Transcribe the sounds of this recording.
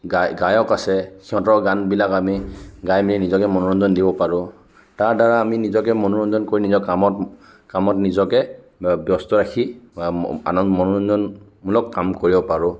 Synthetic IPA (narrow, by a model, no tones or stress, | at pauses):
ɡaɡajɔkasɛkiɦɔ̃tɔɹɡanbilakamiɡajmilɛnizɔkɛmɔnɔɹɔnzɔndibɔpaɹʊ̃ | taɹdaɹaːminizɔkɛmɔnɔɹɔnzɔnkoɹinizɔkamɔt | kamɔtnizɔkɛ | bjɔstɔɹakʰi | a̰nɔmɔnɔɔnzɔn | mulɔkːamkoɹibɔpaɹʊ̃